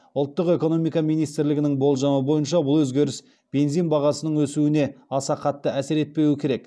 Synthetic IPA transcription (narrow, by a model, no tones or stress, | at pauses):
ʊlˠt̪ːəqe̞ko̞no̞mijkɑmijnijst̪ɪɾlɪɡʲɪnɪŋbo̞lˠʒɑməbo̞jənʃɑbʊlˠwɵzɡʲe̞ɾɪs | b̥e̞nzijnbɑʁɑsənəɴwɵsuɪne̞ɑsɑqʰɑt̪ːəæsɪɾe̞t̪̚pe̞wɪkʲʰe̞ɾe̞k